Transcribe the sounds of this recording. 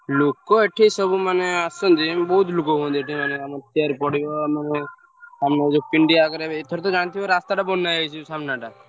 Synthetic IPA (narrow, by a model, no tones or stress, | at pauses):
lokoeʈʰisəbumaneasõnd̪ibɔɦut̪lukoɦõːnd̪ieʈʰimanemat̪iaɾpɔɽijomane | samnad͡ʒopiɳɖiakəɾet̪ʰoɾet̪ɔd͡ʒaɽ̃t̪ʰiɾast̪aʈabɔnːajəjt͡ʃʰisamnaʈa